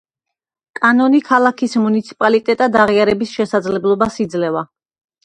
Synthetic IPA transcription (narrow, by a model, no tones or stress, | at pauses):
kʼanɔnikʰalˠakʰismunit̪sʰi̥pʼalit̪ʼɛt̪ʼad̪aʁiaɾɛbisʃɛsad̪zlɛblˠɔbasid̪zlɛva